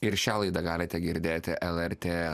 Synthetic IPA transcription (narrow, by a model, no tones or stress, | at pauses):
ɪɾʃʲæːlˠɐɪd̪ɐɡɑːlʲɪt̪ʲɛɡʲɪɾʲd̪ʲeːt̪ʲɪʔɛlˠɛɾʲt̪ʲeː